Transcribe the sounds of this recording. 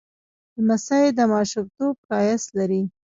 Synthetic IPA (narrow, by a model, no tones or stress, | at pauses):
d̪əmasajed̪əmɑʃub̚t̪ob̚ɾɑjaslaɾi